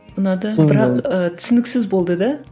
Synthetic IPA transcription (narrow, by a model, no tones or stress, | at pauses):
mənɑd̪əbɪɾɑqət̪ʰʏ̥sɪnɪksɪzbo̞lˠd̪əd̪ɑ